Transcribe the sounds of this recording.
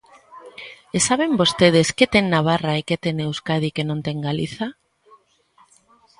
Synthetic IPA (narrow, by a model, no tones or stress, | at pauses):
esaβembost̪eð̞esket̪eŋnaβ̞araeket̪enewskað̞ikenõnt̪eŋɡaliθa